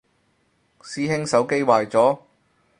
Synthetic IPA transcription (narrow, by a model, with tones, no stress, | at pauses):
siː˥ɦɪ˥ŋsɐ˨˥wke˥jwaː˨˧jt͡sɔː˨˥